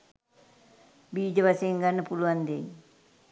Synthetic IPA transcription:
biːd͡ʒəbaseŋɡanːəpuluand̪eɲ

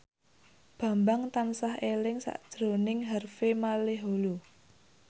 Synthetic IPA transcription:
b̥a̤mbaŋt̪ansaɦelɪŋsa̰ʔd̥ʒ̥ɾo̤nɪŋɦərfemaleɦolu

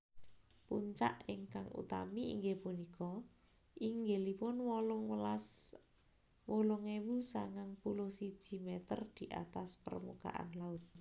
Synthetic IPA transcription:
puɲt͡ʃa̰ʔɪŋkaŋṵt̪amiḭŋɡepunikɔ | ʔiŋɡelipʊnwɔlʊŋwlas | wolʊŋewusaŋaŋpulʊhsid̥ʒ̥i̤mɛt̪ərd̪̥i̤ʔa̰t̪aspə̰rmuka̰ʔa̰nlaʊt̪̚

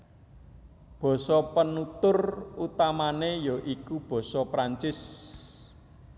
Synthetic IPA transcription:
b̥ɔ̤sɔpənut̪ʊrut̪amanejoʔikub̥ɔ̤sɔpɾaɲt͡ʃɪs

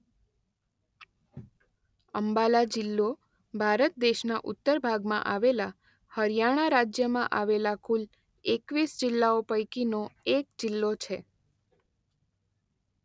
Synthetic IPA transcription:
əmbalad͡ʒɪlːo | bʱaɾət̪̚d̪eʃnaʔʊt̪ːəɾbʱaɡmã̰ʔaʋela | həɾjaɽ̃aɾad͡ʒjəmãʔaʋelakul | ekʋisd͡ʒɪlːaopəjkinoekd͡ʒɪlːot͡ʃʰe

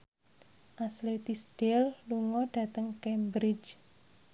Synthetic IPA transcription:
ʔaslet̪isd̥ɛlluŋɔɖ̥ä̤t̪əŋkɛmbɾid͡ʒ

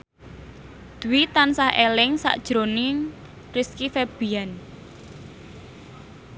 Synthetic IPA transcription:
d̪̥uwit̪ansahʔelɪŋsa̰ʔd̥ʒ̥ɾoni | riskifeb̥i̤an

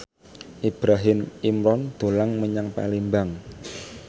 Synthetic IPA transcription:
ʔib̥ɾaɦɪmimɾɔnd̪̥o̤laŋməɲaŋpa̰limbaŋ

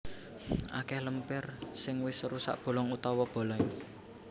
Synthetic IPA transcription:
ʔa̰kɛhləmpɪrsɪŋwɪsɾusa̰ʔb̥o̤lɔŋut̪ɔwɔb̥o̤lɔ

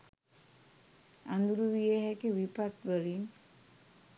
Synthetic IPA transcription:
and̪uɾuʋijeɦɛkeʋipat̪bəlin

